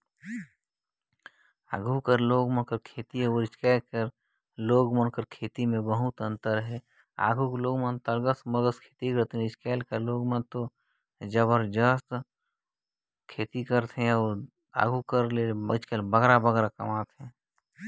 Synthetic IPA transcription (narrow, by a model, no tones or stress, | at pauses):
a̰ɡʱukəɾloːɡmənkəɾkʰeːt̪iəɾɪt͡ʃkɛːlkəɾ | loːɡmənkəɾkʰeːt̪imẽbəɦʊt̪ə̃nt̪əɾɦɛ | a̰ːɡʱukloːɡmə̃nt̪əɾɡəsməɡəskʰeːt̪ikəɾt̪eɪt͡ʃkɛːlkəɾloːɡmə̃nt̪o | d͡ʒəbəɾd͡ʒəst̪ | kʰeːt̪ikəɾt̪ɦɛ̃ɔ | a̰ːɡʱukəɾleɪt͡ʃkɛlbəɡɾabəɡɾakɐ̰maːt̪ɦɛ̃ː